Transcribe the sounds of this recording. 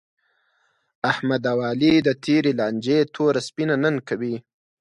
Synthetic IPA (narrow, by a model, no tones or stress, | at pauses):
ahmad̪awɑːlid̪ət̪ʰeɾelɑnd͡ʒet̪ʰoɾaspinanənkawi